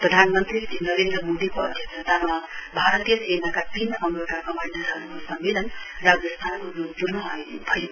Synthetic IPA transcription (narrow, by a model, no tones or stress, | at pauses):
prʌd̪ʱanmʌnt̪ɾisinʌɾend̪ɾʌmod̪ikoʌ̰d̪ʱjʌksʌt̪amabʱaɾʌt̪ijʌsenakat̪inʔʌmɾekakʌmajnasʌɾukosʌmbelʌnrad͡zʌst̪ʰankoɾod̪uɾnʌɦabʱʌjo